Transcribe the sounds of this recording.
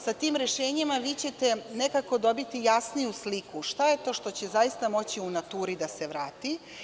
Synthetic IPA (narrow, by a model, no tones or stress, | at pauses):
sat̪iːmɾeʃeːɲimaʋiːt͡ɕe̞t̪e̞nekako̞d̪o̞bit̪ijasnijuslikuʃt̪aje̞t̪o̞ːʃt̪o̞t͡ɕezajist̪amo̞t͡ɕiunat̪uːɾid̪ase̞ʋɾaːt̪i